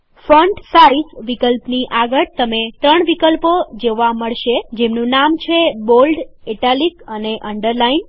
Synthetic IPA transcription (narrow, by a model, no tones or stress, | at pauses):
fəɳɖsaɾisʋikəlpniʔaɡəɾt̪əmet̪ɾəɳʋikəlpod͡ʒoʋaməɭʃed͡ʒemnũnamt͡ʃʰebolɖeʈalikəneʔəɳɖəɾlain